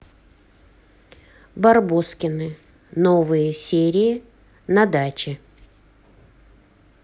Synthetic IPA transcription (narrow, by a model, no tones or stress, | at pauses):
bɐrboskʲɪnɨ | novɨjəsʲeɾʲɪɪ | nɐd̪at͡ɕɪ